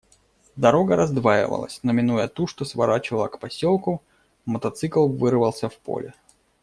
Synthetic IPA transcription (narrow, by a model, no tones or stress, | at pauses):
d̪ɐɾo̞ɡəɾɐzd̪vajɪ̰və̰lˠə̰sʲnəmʲɪnujət̪uʂt̪osvɐɾat͡ɕɪvəlˠəkpɐsʲolˠkʊ | mət̪ɐt̪sɨklˠvɨrvəlˠsʲəfpo̰lʲɪ